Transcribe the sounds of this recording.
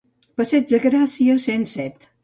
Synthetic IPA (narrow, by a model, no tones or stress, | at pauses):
pəsɛd͡ʒðəɣɾasiəsensɛt̪